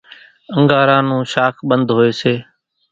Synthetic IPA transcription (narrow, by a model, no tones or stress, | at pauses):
əŋɡaːɾãːnũːʃaːkʰɓənd̪ʱɦoːeːseː